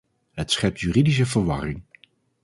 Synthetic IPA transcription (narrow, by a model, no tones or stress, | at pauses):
ɦətsχɛp̚tʰjyridis̬əvəɹʋɑ̰rɪŋ